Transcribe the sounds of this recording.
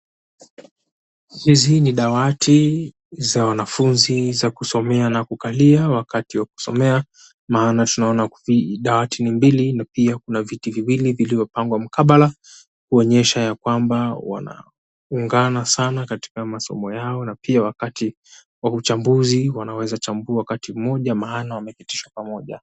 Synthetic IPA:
hiziniɗawatʰi | zawanafunzizakusɔmɛanakukaliawakatiwak̚u̥sɔmɛa | maːnatunaɔnaviɗawatinimbilinapiakunavitiviwilivilivɔpaŋɡwam̩kaɓala | kuɔɲɛʃajakwambawa̰na̰ | uŋɡanasanakati̥kamasɔ̰mɔjaɔnapiawakati | waut͡ʃambuziwanawɛzat͡ʃambuawakatim̩mɔʄamaːnawamɛkiti̥ʃwapamɔʄa̰

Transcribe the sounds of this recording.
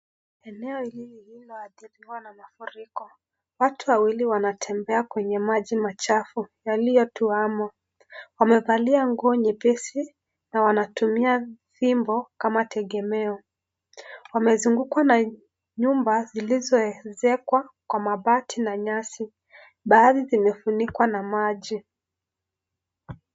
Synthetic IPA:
ɛnɛɔilihilɔaɗiɾiwanamafuɾikɔ | watuwawiliwanatʰɛmbɛakwɛɲɛmaʄimat͡ʃafujalijɔtuamɔ | wamɛvaliaŋɡuɔɲɛpɛsi | nawanatumiaðimbɔkamatʰɛɠɛmɛɔ | wamɛzuŋɡukwana | ɲumbazilizɔɛzɛkwakwamaɓatʰinaɲasi | ɓaːðizimɛfunikwanamaʄi

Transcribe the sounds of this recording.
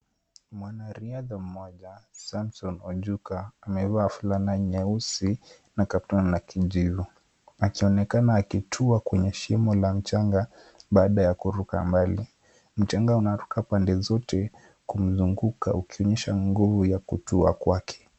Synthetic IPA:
mwanaɾiaðam̩mɔʄasamsɔnɔʄukaːmɛvaːfulanaɲɛusi | nakaptɔnnakʰiʄivu | akiɔnɛkanaːkitʰuakwɛɲɛʃimɔlam̩t͡ʃaŋɡa | ɓaːɗajakuɾuka̰mbali | m̩t͡ʃaŋɡaunaɾukapandɛzɔtʰɛ | kum̩zuŋɡuka̰ukiɔɲɛʃaŋɡuvujakutua̰kwakʰɛ̥

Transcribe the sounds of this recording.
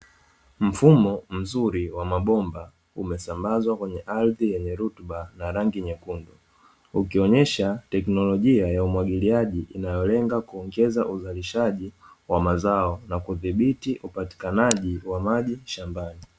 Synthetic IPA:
m̩fumɔm̩zuɾiwamaɓɔmba | umɛsambazwakwɛɲɛʔaɾðijɛɲɛɾutɓanaɾaŋɡiɲɛkundu | ukiɔɲɛʃatɛknɔlɔʄiajaumwaɡiliaʄiʔinajɔlɛŋɡakuɔŋɡɛzaʔuzaliʃaʄi | wamazaɔnakuðiɓitiʔupati̥kanaʄiwamaʄiʃambani

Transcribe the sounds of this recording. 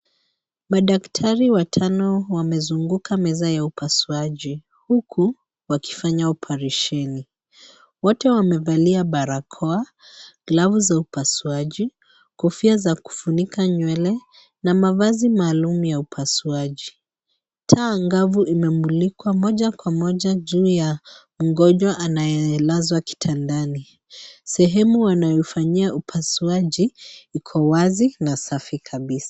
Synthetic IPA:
maɗaktʰaɾiwatʰanɔwamɛzuŋɡukʰamɛzajaupʰasuaʄi | hukʰu | waki̥faɲaɔpʰaɾɛʃɛni | wɔtɛwamɛvaliaɓaɾakʰɔa | ɡlavuzaupasuaʄi | kɔfiazaku̥funikaɲwɛlɛ | namavazimaːlumujaupʰasuaʄi | tʰaŋɡavuʔimɛmulikwamɔʄakwamɔʄaʄuːja | m̩ɡɔʄaʔanajɛlazwaki̥tʰandani | sɛɦɛmuwanajɔifaɲiaʔupʰasuaʄiikʰɔwazinasafikʰaɓisḁ

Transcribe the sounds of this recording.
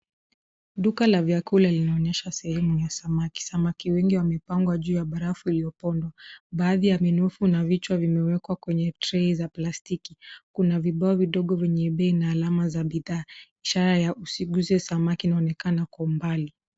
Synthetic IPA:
ɗukalavjakulalinaɔnɛʃasɛhɛmujasamaki̥samakiwɛŋɡiwamɛpaŋɡwaʄuːjaɓaɾafuilijɔpɔndwaɓaːðijaminufunavit͡ʃwavimɛwɛkwakwɛɲɛtɾɛizaplastikikunaviɓaɔviɗɔɠɔvɛɲɛɓɛinaːlamazaɓiðaːiʃaɾajaʔusiɡuzɛsamakiːnaɔnɛkanakɔmbali

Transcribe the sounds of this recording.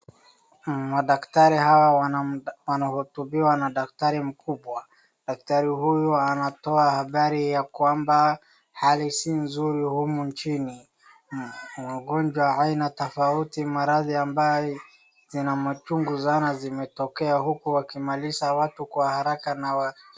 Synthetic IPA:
maɗaktaɾihawa | wanahutubiwanaɗak̚taɾim̩kuɓwa | ɗak̚taɾiɦujuanatɔahaɓaɾijakwamba | halisinzuɾihumunt͡ʃini | waɡɔnd͡ʒwaainatɔfautimaɾaðiambajɔ | zinamat͡ʃuŋɡusanazimɛtɔkɛahukuwakimalisawatukwahaɾakanawa

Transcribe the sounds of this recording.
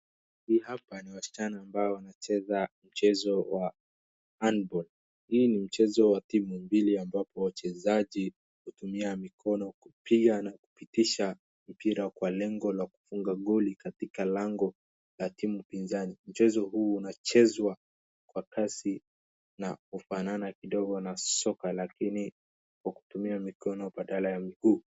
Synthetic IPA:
hiːhapaniwasi̥t͡ʃanaːmbaɔwanat͡ʃɛzam̩t͡ʃɛzɔwa | anbɔl | hiːnim̩t͡ʃɛzɔwatimumbiliambapɔwat͡ʃɛzaʄi | hutumiamikʰɔnɔku̥pʰiɠanaku̥pitiʃa | m̩piɾakwalɛŋɡɔlaku̥fuŋɡaɠɔlikatikalaŋɡɔ | latimupinzanim̩t͡ʃɛzɔɦuːunat͡ʃɛzwa | kwakasi | nakufananakiɗɔɡɔnasɔkalakini | kwaku̥tumiamikɔnɔɓaɗalajamiɡuː

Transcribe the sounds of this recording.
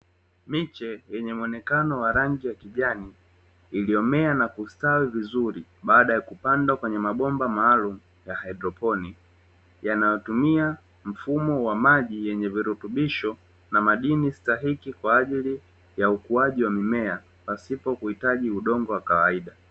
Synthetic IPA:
mit͡ʃɛjɛɲɛmuɔnɛkanɔwaɾaŋd͡ʒijakiʄaniː | liɔmɛanakustawivizuɾiɓaːɗajakupandakwɛɲɛmaɓɔmbamaːlumu | jahajdɾɔpɔni | janajɔtumia | m̩fumɔwamaʄijɛɲɛviɾutuɓiʃɔ | namaɗinistaɦikikwaːʄili | jaukuaʄiwamimɛa | pasipɔkuhitaʄiuɗɔŋɡɔwakawaiɗa

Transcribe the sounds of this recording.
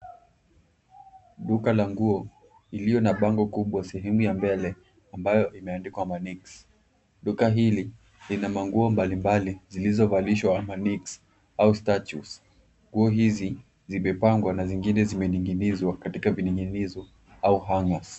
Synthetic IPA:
ɗukalaŋɡuɔ | ilijɔnaɓaŋɡɔkuɓwasɛɦɛmujambɛlɛ | ambajɔʔimɛandikwamaniks | ɗukaɦili | linamaŋɡuɔmbalimbalizilizɔvaliʃwamaniks | austatus | ŋɡuɔɦizi | zimɛpaŋɡwanaziŋɡinɛzimɛniŋɡinizwakatikaviniŋɡinizɔ | auɦaŋɡas

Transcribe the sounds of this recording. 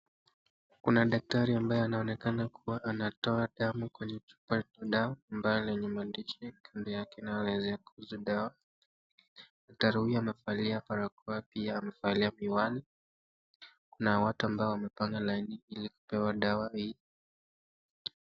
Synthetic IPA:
kunaɗak̚taɾiambajɛanaɔnɛkanakʰuwaʔanatɔaɗamukwɛɲɛt͡ʃu̥pat͡ʃaɗawaːmbajɔlɛɲɛmandiʃɛkʰandɛjakɛnajalɛzɛakuhuzuɗawa | ataɾuhiamɛfaliapaɾakɔapiaːmɛfaliamiwali | kunawatuambaɔwamɛpaŋɡalainiiliku̥pɛwaɗawahi

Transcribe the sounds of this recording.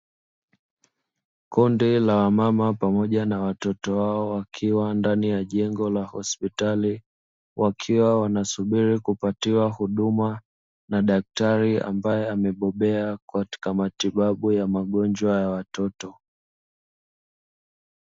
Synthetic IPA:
kundilawamamapamɔʄanawatɔtɔwaɔwakʰiwandanijaʄɛŋɡɔlahɔspitali | wʔakʰiwawanasuɓiɾikupatiwahuɗuma | naɗak̚taɾia̰mbajɛamɛɓɔɓɛakati̥kamatiɓaɓujamaɠɔnd͡ʒwajawatɔtɔ

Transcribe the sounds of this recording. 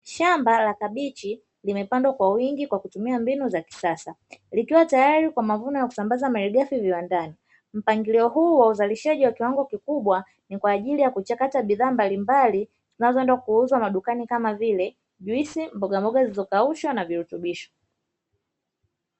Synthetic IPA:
ʃambalakaɓit͡ʃi | limɛpandwakwawiŋɡikwakutumiambinuzaki̥sasa | likiwatajaɾikwamavunɔjaku̥sambazamaɾiɡafiviwandani | m̩paŋɡiliɔɦuːwauzaliʃaʄiwakiwaŋɡɔkikuɓwa | nikwaːʄilijakut͡ʃakataɓiðaːmbalimbali | zinazɔɛndwakuuzwamaɗukanikamavilɛ | ʄwisimbɔɡambɔɡazizɔkauʃɔnaviɾutuɓiʃɔ̥

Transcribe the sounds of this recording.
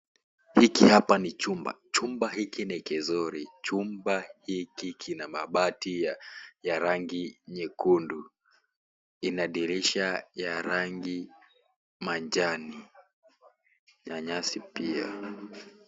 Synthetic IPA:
hikihapanit͡ʃumba̰t͡ʃumbaɦikinɛkɛzɔɾit͡ʃumbahikikʰinamaɓatijaɾaŋɡiɲɛkundu | inaɗiɾiʃajaɾaŋɡi | maɲd͡ʒani | ɲaɲasipia̰

